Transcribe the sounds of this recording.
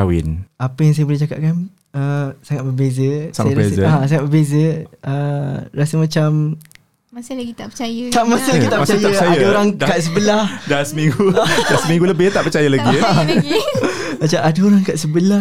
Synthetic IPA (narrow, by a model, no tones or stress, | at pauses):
awḭnʔapəjaŋs̬ajəboleht͡ʃaka̰p̚kan | əsaŋat̪̚bəbezəsaɾasəasaŋat̪̚bərbezəərasəmãt͡ʃam | masilaɡit̪apət͡ʃajət̪aʔmasəllaɡit̪aʔpət͡ʃaajaaəajadaoɾaŋkaʔsəbəlahdasəmiŋɡudasəmiŋɡuləbɪht̪aʔpət͡ʃajəlaɡi | at͡ʃaʔadaoɾaŋkaʔsəbəlah